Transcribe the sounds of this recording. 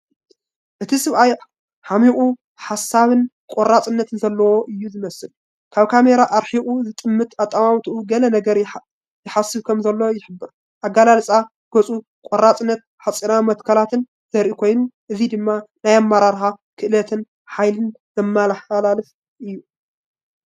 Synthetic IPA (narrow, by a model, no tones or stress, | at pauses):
ʔɨt̪ʰisɨβʔaj | ħamiχʼu | ħasːaβɨn | kʼorat͡sʼɨnːɐt̪ʰnzɐlːɐwo̞ʔɨjːuzɨmɐsɨl | kʰaβkʰame̞ɾaʔaɾħiχʼuzɨt̪ʼɨmːɨt̪at̪ʼːamawt̪ʰuʔuɡɐlɐnɐɡɐɾ | jɪħasːɨβkʰɐmzɐlːɐwojɪħɨbːɨɾ | ʔaɡːalalsʼa | ɡ̥ot͡sʼu | kʼorːat͡sʼɨnːɐt̪̚ħat͡sʼinamɐt̪kʰɐlat̪ʰɨn | z̥ɐɾʔikʰojnuʔɨzid̪ɨmːanajamːaɾaɾxakʰɨʔɨlɐt̪ʰɨn | ħajlɨn | z̥ɐmːalɐħalalɨf | ʔɨjːu